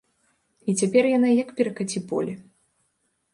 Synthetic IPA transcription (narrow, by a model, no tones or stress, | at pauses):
it͡sʲapʲɛrjanajɐkpʲɛɾɐkat͡sʲipɔ̰lʲi